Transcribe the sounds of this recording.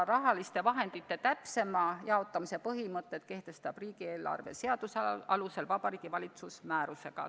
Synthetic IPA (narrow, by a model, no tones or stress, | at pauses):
rɑɦɑlist̪e̞vɑɦe̞nd̪̥it̪ːe̞t̪æpse̞mɑjɑo̞t̪ːˑɑmisepɤɦimɤt̪ːˑet̪̚ke̞ht̪e̞st̪ɑb̥riːɡ̥ie̞ːlɑ̰rve̞̰se̞ɑd̪̥usɑluse̞lvɑb̥ɑɾiːɡ̥ivɑlʲit̪susmæːɾuse̞ɡ̥ɑ̰